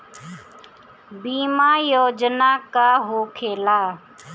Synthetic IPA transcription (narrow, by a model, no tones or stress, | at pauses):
biːmaːjoːd͡ʒnaːkaːɦoːkʰeːlaː